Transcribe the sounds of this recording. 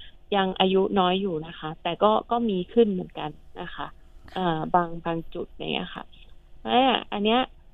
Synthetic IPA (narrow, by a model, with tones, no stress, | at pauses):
ja˧ŋʔaː˧ju˦˥nɔː˦˥jːuː˨˩na˦˥xʰa˦˥t̪ɛː˨˩kɔː˥˩kɔː˥˩miː˧kʰɯ˥˩nmɯ˨˩ənka˧nːa˦˥xʰa˦˥ʔ | ʔɤː˨˩baː˧ŋbaː˧ŋt͡ɕu˨˩t̪̚ja̰˨˧˩ŋːʔḭ˦˥ɐxʰa̰˧˥˩ʔaː˧˥˩ʔa̰˧nːi˦˥ɐʔ